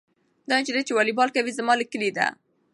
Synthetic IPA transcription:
d̪ɑt͡ʃed̪at͡ʃewɑlibɑlkawizamɑləkəlid̪a̰

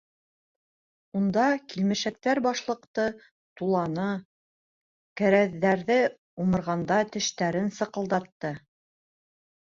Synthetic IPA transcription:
und̪ɑkilmɘ̆ʃæk̚t̪æɾbɑʃlˠɤ̆qt̪ɤ | t̪ulˠɑnɤ | kæɾæðːæɾðɘ | umɤ̆ɾʁɑnd̪ɑt̪ɘ̆ʃt̪æɾɘnsɤ̆qɤ̆lˠd̪ɑt̪ːɤ

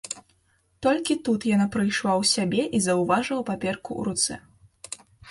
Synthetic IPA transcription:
t̪ɔlʲkʲit̪ut̪janapɾɨjʂlˠawsʲabʲɛʔizɐwvaʐɐwpapʲɛrkṵɾut̪sɛ̰

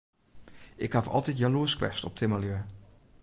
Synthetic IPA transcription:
ʔɪkhafɔ̰lˠtitjaluəskʋɛ̰stɔp̚tʰɪməljøə

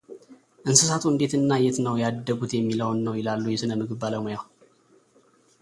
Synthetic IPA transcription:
ʔɨnsɨsat̪ʰuɨnd̪e̞t̪ɨnːajɛt̪nəwjad̪ːəɡut̪jɛmːiləwnːəwjɪlalːujɛsɨnəmɨɡɨβːaləmojaw

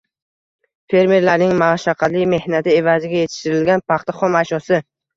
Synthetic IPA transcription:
fe̞ɾme̞ɾlaɾnɪŋmaʃaqʰɑlɪjme̞hnat̪ʰɪe̞vazɪɡʲaje̞t̪ʰɪ̥ʃt̪ɪɾɪlɡʲanpʰɑχt̪ʰaχɒmaʃɒsɪ

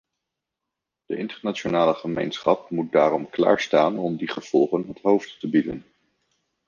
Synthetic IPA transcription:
d̥əʔɪntəɹnat͡ʃonaːləχəmḛjnsχɑp̚mut̚daːɾɔmkla̰ːɹstaːnɔmdiχəv̥ɔlˠχənɦətɦowfttəbidə̰n

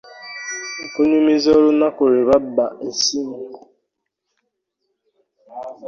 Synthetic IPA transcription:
ŋ̩koɲemizɔɾʊnakʷoɾebabaesiŋ̩

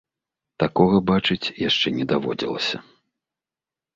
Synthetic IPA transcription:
t̪akɔɣɐbat͡ʂɨt͡sʲjaʂt͡ʂɛnʲɛd̪avɔ̰d͡zʲḭlˠɐsʲɐ̰

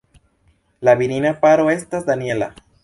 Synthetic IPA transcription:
laβiɾinapaɾoest̪azd̪anjela̰

